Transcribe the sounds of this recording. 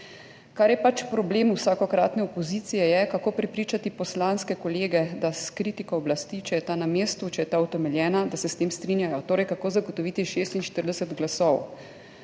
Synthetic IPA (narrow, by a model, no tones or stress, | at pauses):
kaɾjɛpat͡ʃpɾɔbleːmuwsaːkɔkɾaːt̪nɛɔpɔziːt̪sijɛjɛkakoːpɾɛpɾiːt͡ʃat̪ipɔslanskɛkɔleːɡɛd̪askɾiːt̪ikɔːblast̪it͡ʃɛjɛt̪anameːst̪ut͡ʃɛjɛt̪aut̪ɛmɛljɛːnad̪asɛst̪eːmst̪ɾinjajɔt̪oːɾɛjkakoːzaɡot̪ɔʋiːt̪iʃeːst̪inʃt̪əɾd̪ɛsɛd̪ɡlasɔw